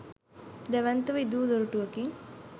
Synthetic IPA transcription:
d̪æʋænt̪əʋid̪uːd̪oɾuʈuʋəkiŋ

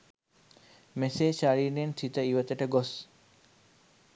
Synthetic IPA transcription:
meseʃaɾiːnent̪ʰit̪əiʋət̪əʈəɡos

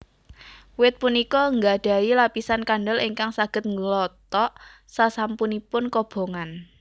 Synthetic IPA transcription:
wɪt̪̚punikɔŋɡaɖ̥a̤ilapisankanɖɔliŋkaŋsaɡ̥ə̤t̪̚ŋɡəlɔt̪ɔʔ | sasampunipʊnkɔb̥o̤ŋan

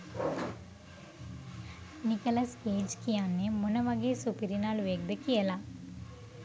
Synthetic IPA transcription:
nikɐlɐskeːd͡ʒkijanːemunɐʋaɡeːsupiɾinaːluʋek̚d̪əkijəla

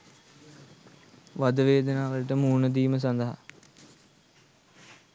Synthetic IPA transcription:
ʋad̪əʋeːd̪ənaːʋələʈəmuːnəd̪iːməs̬and̪əɦa̰

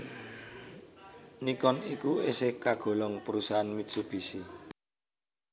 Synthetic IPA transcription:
nikɔnikuesekaɡ̥o̤lɔŋpəɾusaɦanmit̪sub̥i̤si

